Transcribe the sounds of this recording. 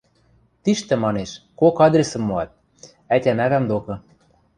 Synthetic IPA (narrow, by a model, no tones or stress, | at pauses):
t̪iʃt̪ɘ̆mɑneʃkokɑd̪ɾʲesɤ̆mːoɑt̪̚ | ætʲænæβæmd̪okɤ̆